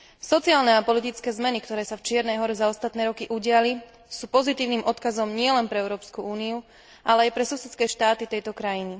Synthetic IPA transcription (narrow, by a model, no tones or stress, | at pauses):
sɔt͡siaːlnɛapɔlit̪it͡skɛːzmɛnikt̪ɔɾɛːsaft͡ʃɪɛɾnɛjɦɔɾɛzaɔst̪at̪nɛːɾɔkiʔuɟɪali | suːpɔzit̪iːʊniːmʔɔt̪kazɔmɲɪɛlɛnpɾɛɛʊɾɔːpskuuːniu | ʔalɛajpɾɛsusɛt͡skɛːʃt̪aːt̪it̪ɛjt̪ɔkɾajini